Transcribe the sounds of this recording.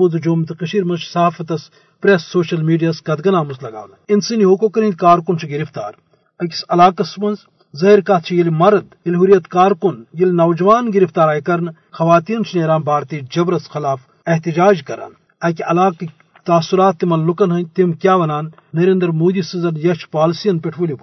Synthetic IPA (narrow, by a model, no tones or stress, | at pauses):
uzd͡ʒoːmt̪ikɐʃiːɾmɐnt͡ʃʰsɐɦaːfɐt̪ɐs | pɾesːoːʃɐlmiːɖijaːskɐd̪ɡɐnaːmɐzlɐɡa̰ːʋninsiniɦoːkokɐɾĩnd̪̚kaːɾkunt͡ʃʰiɡiɾift̪a̰ːɾ | ɐki̥sɐlaːkɐsmɐnz | zɐɦiɾkat̪̚t͡ʃʰijilimɐɾɐd̪jilɦuɾijɐt̪kaːɾkunjilʲnɐwd͡ʒɐʋaːnɡiɾift̪aːɾaːjkɐɾn | xɐʋaːt̪iːnt͡ʃʰineːɾaːnbaːɾt̪iːd͡ʒɐbɾɐsxɪlaːf | eɦt̪id͡ʒaːd͡ʒkɐɾa̰n | ɐkiɐlaːk | t̪aːsuɾaːt̪ːimɐnlukɐnɦɐnʲt̪imkʲjaːʋɐnaːnː | ɐɾeːnd̪əɾmoːd̪iːsizɐnjɐt͡ʃʰpaːlsijɐnpeʈʰuːlʲjub